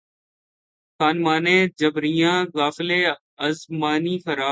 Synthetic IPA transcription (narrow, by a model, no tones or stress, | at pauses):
xaːnmaːnẽːd͡ʒəbɾijãːɣaːfɪleː | əzmaːniːxəɾaː